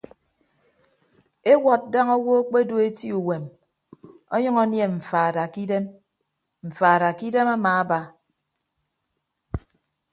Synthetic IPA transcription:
e˦wɔ˨t̚da˦ŋɔ˦wo˦k͡pe˦do˦˨e˦ti˦u˨we˨m | ɔ˦ɲʌ˦ŋɔ˦nje˨ɱ̩˨faː˨da˨ki˦de˦m | m̩˨faː˨ɾa˨ki˦de˦ma˦maː˨a˦ba˦

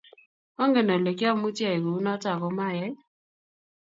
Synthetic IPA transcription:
ɔ˦ŋɡe˨nɔ˨le˨ka˦mu˦tja˦˨e˨ko˨u˦nɔ˦ta˨kɔ˨ma˦˨jɛ˦j

